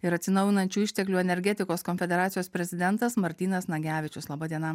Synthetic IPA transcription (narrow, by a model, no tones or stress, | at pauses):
ɪɾɐt̪ʲsʲɪnɒʊjɪnɐnʲt͡ʃʲuːɪʃʲt̪ʲɛklʲuːɛnʲɛɾʲɡʲɛt̪ʲɪkoːskɔnʲfʲɛd̪ʲɛɾɑːt̪sʲɪjoːspʲɾʲɛzʲɪd̪ʲɛnt̪ɐsmɐɾʲt̪ʲiːnɐsnɐɡʲæːʋʲɪt͡ʃʲʊslˠɐbɐd̪ʲiɛnɐ